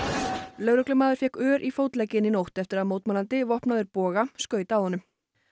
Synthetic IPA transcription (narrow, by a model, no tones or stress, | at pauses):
lœɥɾœklʏmaːðʏɾ̥fjɛhkœːɾʔifowt̪lɛcːɪninowht̪ɛft̪ɪɾaðmoːwt̪malant̪ɪvɔhpnavɪɾpɔːɣaskœːɥt̪aːwhɔnʏm